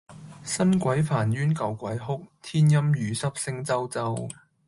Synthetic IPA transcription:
sɐ˥nkʷɐ˨˥jfaː˨˩njyː˥nkɐ˨wkʷɐ˨˥jɦʊ˥k̚t̪ʰiː˥njɐ˥mjyː˨˧sɐ˥p̚sɪ˥ŋt͡sɐ˥wt͡sɐ˥w

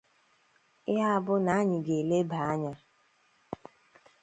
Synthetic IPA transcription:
a˦a˦bʊ˦na˨˦ɲɪ˨ɡe˨le˦ba˨a˦ɲa˦

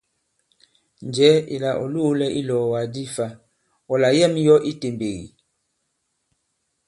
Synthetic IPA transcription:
n˨d͡ʒɛ˨˦ḭ˨la˨ʔɔ˨lu˦lɛ˦ʔi˦lɔ˨wa˨di˦fa˦ | ɔ˨la˨jɛ˦˨mjɔ˦ʔi˦te˨mbe˨ɣḭ˨

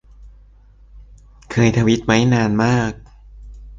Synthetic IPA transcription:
kʰɤː˧jt̪ʰa˧wi˦˥t̪̚ma˦˥jnaː˧nmaː˥˩k̚

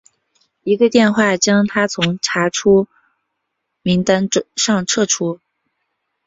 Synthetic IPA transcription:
i˧˥ɡə˧t̪jɛ˥˧nxwa˥˩t͡ɕjɑ˥ŋt̪ʰa˥t͡sʰʊ˧˥ŋʈ͡ʂʰa˧˥ʈ͡ʂʰu˥ | mi˧˥ŋt̪a˥nʂɑ˥˧ŋʈ͡ʂʰɤ˥˩ʈ͡ʂʰu˥

